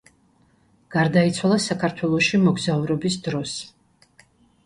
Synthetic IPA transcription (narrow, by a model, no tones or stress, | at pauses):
ɡ̥aɾd̪ait̪sʰwalˠasakʰaɾt̪ʰwɛlˠɔʃimɔɡzauɾɔbisd̪ɾɔs